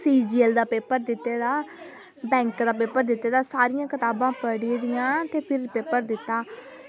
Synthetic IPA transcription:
siːd͡ʒiːəld̪aːpeːpəɾd̪ɪt̪ːeːd̪aː | bɛ̃ːŋkd̪aːpeːpːəɾd̪ɪt̪ːeːd̪aːsaːɾɪjãːkɪt̪aːbãːpəɽiːd̪ɪjãːt̪eːpʰɪɾpeːpəɾd̪ɪt̪ːaː

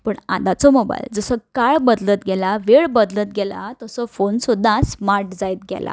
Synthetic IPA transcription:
pəɳa̰d̪ʱat͡sɔmɔba̰jld͡zəsəkaɭbəd̪lət̪ɡɛlaʋeɭbəd̪lət̪̚ɡɛla̰t̪əsɔfonsud̪ʱːasmaɾʈd͡zajt̪̚ɡɛ̰lʔa̰

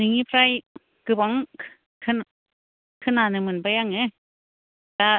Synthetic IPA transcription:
nɯŋipʰɾaj | kɯbaŋʰ | kʰɯn | kʰɯnanɯmɯnbajaŋe | ta

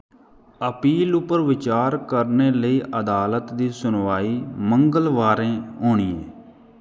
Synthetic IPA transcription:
əpiːlʊpəɾʋɪt͡ʃaːɾkəɾneːləiːʔəd̪aːlət̪d̪iːsʊnʋaːiːməŋɡəlʋaːɾẽːɦoːɳiːḛː

